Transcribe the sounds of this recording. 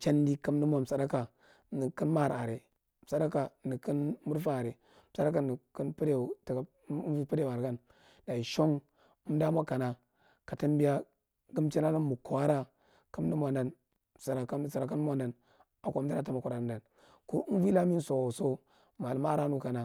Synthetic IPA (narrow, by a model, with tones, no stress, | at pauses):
t͡ʃa˦n˦di˦ka˦m˦di˦mʷ˦a˨m̩˨sa˨da˦ka˨˦ | nə˨kə˦nma˦˨ɾa˨ɾe˨ | m˨sa˨˦da˦ka˨nə˨kə˦nmu˦ɾfaː˦˨ɾe˨˦ | sa˦ɾa˦ka˨ni˨kə˦npi˦ɾe˦˨ta˨˦vi˦pi˦ɾe˦˨a˨ɾɡa˦n | da˨i˨ʃo˦ŋ˦ | m˦da˦mʷa˦ka˨na˨ | ka˨ti˦nbi˦ja˦ | ɡə˦mt͡ʃa˦na˦na˦mu˨ko˨a˦ɾa˦ | ka˦m˦i˦mʷa˨nda˦n˨ | sa˨ɾa˨ka˦˨sa˨ɾa˨ka˦n˦mʷ˦a˦nda˨n | a˨kʷa˦m˦da˦ɾa˦ta˦ma˨kʷɾa˨nda˨n | ko˦n˦vi˦la˦mi˦n˦so˨so˦ | ma˨lma˦ɾa˦nu˦ka˨na˨